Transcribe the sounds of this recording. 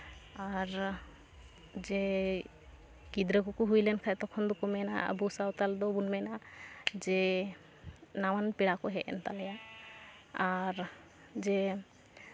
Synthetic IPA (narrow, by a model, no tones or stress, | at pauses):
aɾ | d͡ʒɛ | kid̪ɾəkukuɦujlɛnkʰat̪ɔkʰɔnd̪ɔkɔmɛna̰a̰busawt̪ald̪ɔbunmɛnad͡ʒɛ | nawanpiɽakɔɦɛʔɛ̰nt̪alɛja | aɾ | d͡ʒɛ